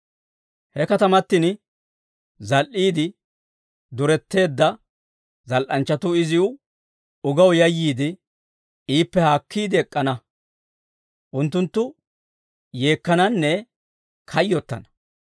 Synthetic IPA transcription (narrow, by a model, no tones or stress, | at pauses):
hɛkɐt̪ɐmɐt̪ːɪn | zɐlʔiːd̪ɪ | d̪ʊɾɛt̪ːe̞ːd̪ːɐ | zɐlʔɐnt͡ʃːɐt̪ʊɪzɪʊ | ʊɡɐwjɐjːiːd̪ɪ | iːpːɛhaːkʰːiːd̪ɪɛkʼːɐnɐ | ʔʊnt̪ːʊnt̪ːʊ | je̞ːkːɐnɐnːɛ | kʰɐjːɔt̪ːɐ̰nɐ